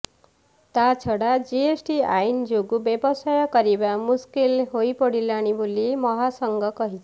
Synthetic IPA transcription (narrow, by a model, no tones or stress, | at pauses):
t̪at͡sʰʌɽad͡ziesʈiajnd͡zoɡubjebʌsʌjʌkʌɾebamuskilɦojpʌɽilaɽ̃ibulːemʌɦasʌŋɡʌkʌɦit͡sʰ